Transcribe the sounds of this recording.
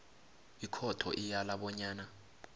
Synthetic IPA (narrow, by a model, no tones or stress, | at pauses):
ikʰɔtʰɔ̰ʔijalaɓɔɲaːna